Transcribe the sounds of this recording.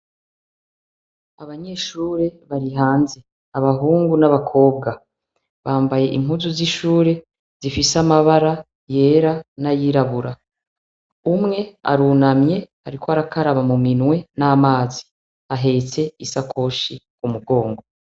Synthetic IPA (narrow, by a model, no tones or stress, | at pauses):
aβaɲe̞ːʃuːɾe̞βaɾiɦaːnze̞ | aβaɦuːŋɡunaβakʰo̞ːb̚ɡa | βaːmbaje̞ʔiŋ̥huzuziʃuːɾe̞ | z̥ifisamaβaɾa | je̞ːɾanajiɾaβuɾa | umŋe̞a̰ɾuːnamɲe̞haɾikoaɾakaɾaβamuminwe̞naːmaːzi | aɦe̞t͡se̞isakʰo̞ːʃikumuɡo̞ːŋɡo̞